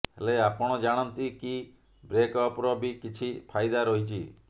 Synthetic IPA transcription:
ɦeleapɔɽ̃ɔd͡ʒaɽ̃ɔnt̪iki | bɾekɔpɾɔbikit͡ʃʰipʰajd̪aɾɔɦit͡ʃʰi

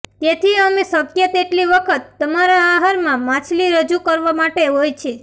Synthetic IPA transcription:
t̪et̪ʰiəmesəkjət̪eʈliʋəkʰət̪ːəmaɾaːɦaɾmãmãt͡ʃʰliɾəd͡ʒukəɾʋamaʈeɦojt͡ʃʰe

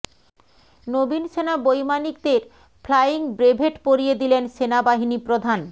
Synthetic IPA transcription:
nobinʃenabojmanikd̪eɾ | fʰlajiŋbɾebʱeʈpoɾijed̪ilenʃenabaɦinipɾod̪ʱan

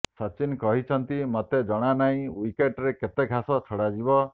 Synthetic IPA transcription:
sɔt͡ʃinkɔɦit͡ʃʰɔnt̪imɔt̪ed͡ʒɔɽ̃anaɦĩwikeʈɾeket̪eɡʱasɔt͡ʃʰɔɽad͡ʒibɔ

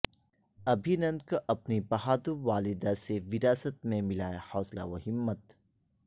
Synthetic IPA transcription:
ɐbʱinɐ̃n̚kʔɐpnibɐɦaːd̪uʋaːlɪd̪aseʋɪɾaːsət̪̚mẽmɪlaːehɔːsla̰ʋɐhɪmːət̪

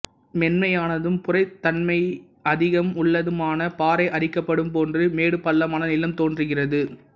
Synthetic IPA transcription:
mɛnmɐjaːnɐðɯmpʊrɐɪt̪ːɐnmɐɪ | ɐðɪɣɐmʊɭːɐðɯmaːnɐpaːɾɐɪʔɐrɪkːɐpːɐɽɯmpoːndrɯmeːɽɯpɐɭːɐmaːnɐnɪlɐmt̪oːndrɯɣɪrɐðɯ

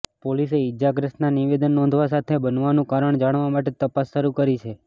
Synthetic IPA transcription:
poliseɪd͡ʒaɡɾəsʈnaniʋed̪ənːɔ̃nd̪ʱʋas̬at̪ʰebənʋanũkaɾəɳd͡ʒaɽ̃ʋamaʈet̪əpasːʃəɾukəɾit͡ʃʰe

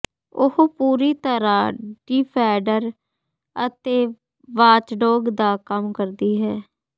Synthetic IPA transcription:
ʊhpuːɾiːt̪əɾaːɖiːpʰɛːɖəɾ | ət̪eː | ʋaːt͡ʃɖoːɡd̪aːkəmkəɾd̪iːɦɛː

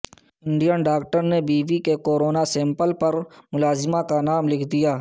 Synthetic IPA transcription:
ɪ̃ɳɖijənɖaːk̚ʈəɾnebiːʋikekoːɾoːnasɛ̃ːmpəlpɐɾmʊlaːzɪmãkanaːmlɪkʰd̪ijaː

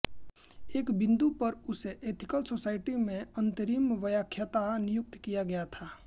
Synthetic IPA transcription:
eːkbɪ̃nd̪upɐɾʊseʔeːt̪ʰɪkəlsoːsaːɪʈimẽɐ̃nt̪əɾiːmʋəjaːkʰjat̪anɪjʊk̚t̪kijaɡɐjat̪ʰaː

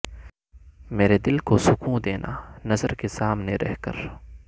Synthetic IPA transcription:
meːɾed̪ɪlkosʊkũd̪eːnʔa̰nɐzəɾkesaːmneɾɛ̰ɦkə̰ɾ

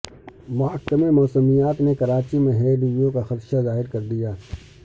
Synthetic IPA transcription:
maːkkɐmɪɾmɔːsəmijaːt̪nekɐɾaːt͡ʃimẽɦɛːlijõkaxɐt̪ʃazaːɦɪɾkɐɾd̪ijaː

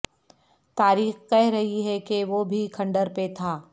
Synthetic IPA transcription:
t̪aːɾiːxkɛɦɾɐɦiɦɛkeʋobʱikʰɐ̃ɳɖəɾpet̪ʰaː

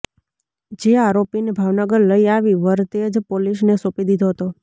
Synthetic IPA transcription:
d͡ʒeaɾopinebʱaʋnəɡəɾləiaʋiʋəɾt̪ed͡ʒpoliʃnesopid̪id̪ʱoɦət̪o

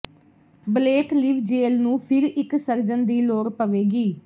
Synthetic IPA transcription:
bleːkliːʋd͡ʒeːlnũːpʰɪɾɪksəɾd͡ʒənd̪iːloːɾpəʋeːɡiː

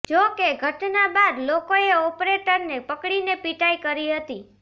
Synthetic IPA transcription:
d͡ʒokeɡʱəʈnabad̪lokoeɔpɾeʈəɾnepəkɽinepiʈaikəɾiɦət̪i

